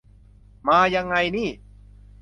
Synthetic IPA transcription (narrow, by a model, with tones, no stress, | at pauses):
maː˧ja˧ŋːa˧jniː˥˩